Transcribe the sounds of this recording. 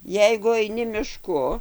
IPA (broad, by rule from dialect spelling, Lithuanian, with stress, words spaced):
ˈjɛɪɡʊ ɐɪˈnʲɪ mʲɪˈʃkʊ